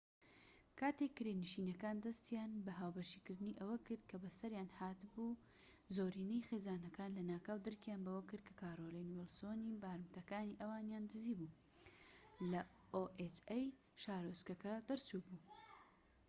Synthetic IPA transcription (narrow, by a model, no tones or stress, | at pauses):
kʰaːt̪ekːɨɾenɨʃiːnɐkaːnd̪ɐst̪ijaːnbɐɦaːwbɐʃikɨɾd̪ɨniʔɐwɐkɨɾd̪̚kʰɐbɐsɐɾjaːnhaːt̪ɨbu | zoːɾiːnɐjxeːzaːnɐkaːnlɐnaːkawd̪ɨɾkʰjaːnbɐwɐkɨɾd̪̚kʰɐ̥kʰaːɾolenuwɛlsoːnibaːɾmt̪ɐkaːniʔɐwaːnjaːnd̪ɨziːbu | lɐ | oʔet͡ʃej | ʃaːɾoskɐkɐd̪ɨɾt͡subuː